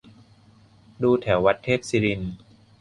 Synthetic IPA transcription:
duː˧t̪ʰɛ˩˦wːa˦˥t̪ʰːeː˥˩k̚siː˧ɾi˧n

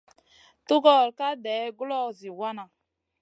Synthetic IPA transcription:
tu˦ɡɔ˦˨ɾka˦dɛː˨˦ɡu˦lɔ˦˨zi˨wa˦na˨

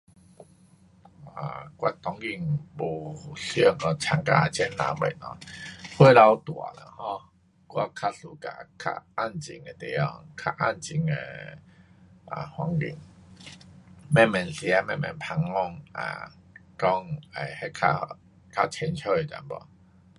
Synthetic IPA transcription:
a̰˨kwa˦t̪ɔ˨˦ŋɡi˧˩ŋbo˨˩ɬjɔ˥˧˩ŋkɔ˧t͡ɕʰa˧˩ŋka˧a˨˩t͡ɕʰɛ˦nlã̰˧bɛ̰˨˩nɔ̰˧˦hwe˦la˧wt̪wa̰˨la̰˨˩hɔ̃˧ | kwa̰˦˧kʰa˧su˨ka̰˨kʰa̰˦˧a˥˧˩nt͡ɕḭ˨ŋe˧˩t̪ɛ˨˩jɔ˧˩ŋkʰa˦˧ʔa˦˧˨nt͡ɕi˨˩ŋḛ˧ | a̰˨˩hwa˧˦ŋɡḭ˨˩ŋ | mɛ˥˧˨mɛ˨˩nɬi˧a˧mɛ̃˧˨mɛ̰̃˨˩npʰa˧ŋɔ˧˩ŋa̰˨˩ | ʈ͡ʂɔ˦ŋḛ˨˩hɛ˦kʰa̰˧ | kʰa˦˧t͡ɕʰɛ˧nt͡ɕʰɔ˦e˨˩ta̰˨˦nbɔ̰˨

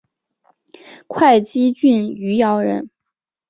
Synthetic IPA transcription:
kʰwa˥˩ɪt͡ɕi˥t͡ɕy˥˩ny˧˥jɑ˧˥ʊɻə̰˧˥n

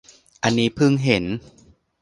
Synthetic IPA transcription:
ʔa˧nːiː˦˥pʰɯ˥˩ŋɦe˩˦n

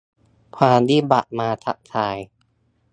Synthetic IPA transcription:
pʰaː˧nd̪iː˦˥˩ba̰˨˩t̪̚maː˧t̪ʰa̰˦˥ʔ̚t̪ʰaː˧j

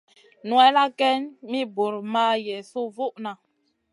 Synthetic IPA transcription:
nu˨ɛ˦la˦kɛ˦nmi˦bo˨ɾma˦jɛ˨so˦vo˦ʔna˨

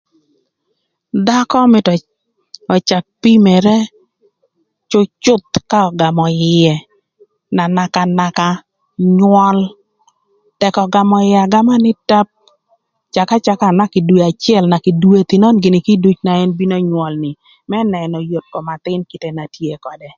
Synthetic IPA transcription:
d̪a˦kɔ˦mɪ˨tɔ˨ | ɔ˨t͡ʃa˨k̚pi˦mɛ˨ɾɛ˦ | t͡ʃʊ˦t͡ʃʊ˦t̪ka˦ɔ˨ɡa˨mɔ˨ɪɛ˨ | na˨na˨ka˨na˨ka˦ | ɲwɔ˦l | tɛ˨kɔ˨ɡa˨mɔ˨ɪa˨ɡa˦ma˦nɪ˦ta˦p̚ | t͡ʃa˨ka˦t͡ʃa˦ka˦˨na˦kɪ˨dwe˨a˨t͡ʃɪ˦ɛ˦lna˨ki˨dwe˦t̪ɪ˨nɔ˦nɡɪ˨nɪ˨ki˦du˦t͡ʃna˨ɛ˦nbi˦no˦ɲwɔ˨lnɪ˨ | mɛ˦nɛ˨nɔ˨jo˨t̚kɔ˨ma˨t̪ɪ˦nki˨te˦na˨tje˦kɔ˨dɛ˨

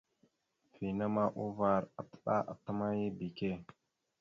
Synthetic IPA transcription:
fi˨na˦ma˦ʔu˦va˦ɾa˨tə̥˦ɗa̰˦ʔa̰˨tːə˦ma˦ji˦bi˨ke˦

